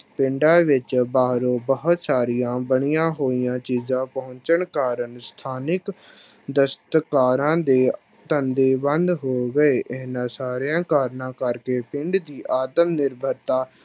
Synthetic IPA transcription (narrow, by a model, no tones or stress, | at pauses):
pɪ̃ɳɖãːʋɪt͡ʃbaːɾoːbəɦʊt̪saːɾijãːbəɳ̃ijãːɦoːijãːt͡ʃiːzãːpɔɦʊ̃ɲt͡ʃəɳkaːɾəɳst̪ʰaːnɪk | d̪əst̪kaːɾãːd̪eː | t̪ənd̪eːbənd̪ɦoːɡəeːʔɪɦnãːsaːɾjãːkaːɾnãːkəɾkeːpɪ̃ɳɖd̪iːʔaːd̪əmnɪɾbʱəɾt̪aː